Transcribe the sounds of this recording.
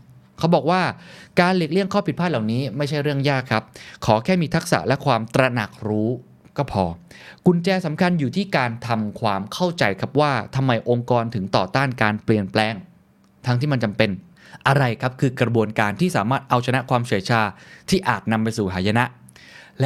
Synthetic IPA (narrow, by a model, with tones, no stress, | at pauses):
kʰa˦˥wbɔː˨˩k̚waː˥˩kaː˧nle˨˩k̚li˥˩əŋkʰɔː˥˩pi˨t̪̚ʰaː˥˩la˨˩wniː˦˥ma˥˩jt͡ɕʰa˥˩jɾɯ˥˩əŋjaː˥˩kʰːa˦˥p̚kʰɔː˩˦kʰɛː˥˩miː˧t̪ʰa˦˥k̚sa̰˨˩lɛ˦˥kʰwaː˧mt̪ɾa˧na˨˩k̚ɾuː˦˥ | kɔː˥˩pʰɔː˧ | ku˧nt͡ɕɛː˧sa˩˦mkʰa˧njuː˨˩t̪ʰiː˥˩kaː˧nt̪ʰa˧mkʰwaː˧mkʰa˥˩wt͡ɕa˧jkʰa˦˥p̚waː˥˩t̪ʰa˧mːa˧jʔo˧ŋkɔː˧nt̪ʰɯ˩˦ŋt̪ɔː˨˩t̪aː˥˩nkaː˧npli˨˩ənplɛː˧ŋ | t̪ʰa˦˥ŋt̪ʰiː˥˩ma˧nt͡ɕa˧mpe˧n | ʔa˧ɾa˧jkʰa˦˥p̚kʰɯː˧kɾa˧bu˧ənkaː˧nt̪ʰiː˥˩saː˩˦maː˥˩t̪̚ʔa˧wt͡ɕʰa˧na˦˥kʰwaː˧mt͡ɕʰi˨˩˦jt͡ɕʰaː˧t̪ʰiː˥˩ʔaː˨˩t̪̚na˧mpa˧jsuː˨˩ɦʰaː˩˦ja˧na˦˥ʔ | l